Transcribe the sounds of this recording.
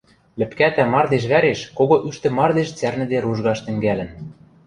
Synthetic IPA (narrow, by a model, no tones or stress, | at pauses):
lɘ̆pkæt̪æmɑrd̪eʃ̬βæɾeʃkoɣoʔyʃt̪ɘ̆mɑrd̪eʃt͡særnɘ̆d̪eɾuʒɣɑʃt̪ɘ̆ŋɡælɘ̆n